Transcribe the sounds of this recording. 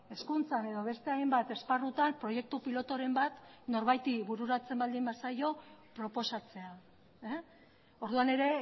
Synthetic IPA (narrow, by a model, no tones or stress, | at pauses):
e̞skunt͡sane̞ðo̞β̞e̞st̪e̞ajmbat̪e̞sparut̪ampɾo̞je̞k̚t̪upilo̞t̪o̞ɾe̞mbat̪no̞ɾβajt̪iβuɾuɾat͡se̞mbald̪imbasajo̞pɾo̞po̞sat͡se̞a | o̞ɾðuane̞ɾe̞